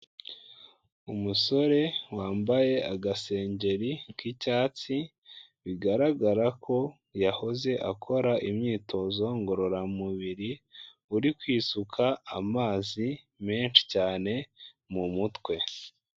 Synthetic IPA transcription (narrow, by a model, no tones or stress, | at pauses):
umuso̞ɾe̞waːmbaje̞aɡase̞ːɲɟe̞ɾikicaːt͡si | βiɡaɾaɡaɾakʰo̞ | jaho̞ze̞ʔakʰo̞ɾaʔimɲiːtʰo̞zo̞ŋɡo̞ɾo̞ɾamuβiɾi | uɾikwiːsukʰaːmaːzi | me̞ːnʃi̥caːne̞ | mumutwe̞